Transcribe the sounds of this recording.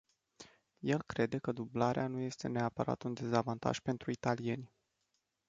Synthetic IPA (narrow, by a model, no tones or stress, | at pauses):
je̞lkɾe̞d̪e̞kəd̪ublaɾeanuje̞st̪e̞neapəɾa̰t̪und̪e̞zavant̪a̰ʒ̥pe̞nt̪ɾuit̪alije̞nʲ